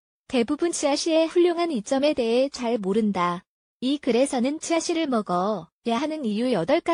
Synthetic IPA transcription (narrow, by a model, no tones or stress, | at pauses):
te̞bubunt͡ɕiaɕʰie̞ɸuʎːoŋɦanit͡ɕ͈ʌme̞te̞ɦe̞t͡ɕaɭmoɾɯnda | ikɯɾe̞sʰʌnɯnt͡ɕiaɕʰiɾɯɭmʌɡʌjaɦanɯnijujʌdʌɭk͈a